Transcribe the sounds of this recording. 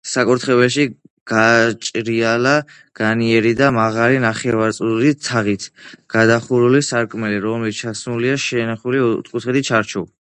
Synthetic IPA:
sakʼuɾt̪ʰχɛvɛʃi | ɡ̥at͡ʃʼɾiala | ɡ̥aniɛɾid̪amaʁalinaχɛvaɾt̪sʼulit̪ʰaʁit̪ʰɡ̥ad̪aχuɾulisaɾkʼmɛliɾɔmlit͡ʃʰasnuliaʃɛnaχulit̪kʼut̪ʰχit̪it͡ʃʰaɾt͡ʃʰu

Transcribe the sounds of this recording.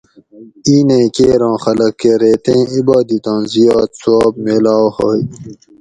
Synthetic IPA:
iːnẽːkeːɾɑ̃ːxɐlɐkːeɾeːt̪ẽːibaːd̪it̪ãːnzijaːt̪suaːbmeːlaːhoːi

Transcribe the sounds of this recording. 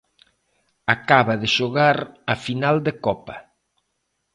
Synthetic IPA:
akaβɐðɪʃoɣaɾɐfinald̪ekɔpɐ

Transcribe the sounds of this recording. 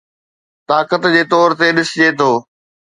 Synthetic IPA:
t̪aːkət̪d͡ʑeːt̪ɔːɾt̪eɗɪsd͡ʑeːt̪ʰoː

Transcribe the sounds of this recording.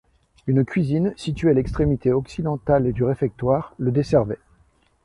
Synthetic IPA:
ynkʰʲɥizinsit̪ɥealɛkst̪χemit̪eɔksid̪ɑ̃t̪aled̪yʁefɛk̚t̪waːʁləd̪esɛʁvɛ

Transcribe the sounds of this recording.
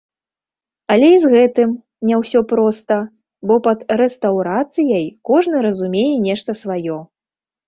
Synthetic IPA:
ɐlʲɛizɣɛt̪ɨm | nʲɛwsʲɔpɾɔst̪ɐ | bɔpɐd̪rɛst̪ɐwɾat̪sɨjɐjkɔʐnɨɾɐzumʲejɛnʲɛʂt̪ɐsvajɔ

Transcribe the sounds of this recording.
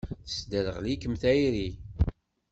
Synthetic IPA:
θə̥sd̪əɾəʁlikəmθæjɾi

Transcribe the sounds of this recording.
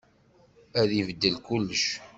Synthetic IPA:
æðivəd̪ːəlkulːəʃ

